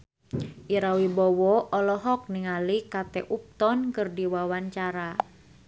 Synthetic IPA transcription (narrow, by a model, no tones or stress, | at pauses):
ʔiɾawibɔwɔɔlɔɦɔk̚niŋalikat̪ɛʔup̚t̪ɔnkɨrdiwawaɲt͡ʃaɾa